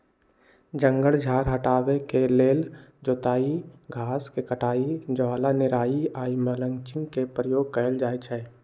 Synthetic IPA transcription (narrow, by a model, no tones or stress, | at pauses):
d͡ʒə̃ŋɡəɭd͡ʒʱaːɾɦəʈaːwekeleːld͡ʒoːt̪aːiɡʱaːskekəʈaːid͡ʒəʋaːlanɪɾaːiaːimələ̃ŋt͡ʃɪ̃ŋkepɾəjoːɡ̚kəəld͡ʒaːet͡ʃʰɛː